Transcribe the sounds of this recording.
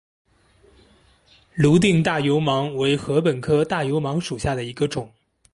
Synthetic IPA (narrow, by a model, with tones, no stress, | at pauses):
lu˧˥t̪̬i˥˧ŋt̪a˥˩jo˧˥ʊmɑ˧˥ŋwe˧˥ɪxɤ˧˥pə˨˩nkʰɤ˥˧t̪a˥˩jo˧˥ʊmɑ˧˥ŋʂu˨˩ɕja˥˩d̪ə˩i˧˥ɡə˧ʈ͡ʂʊ˨˩˦ŋ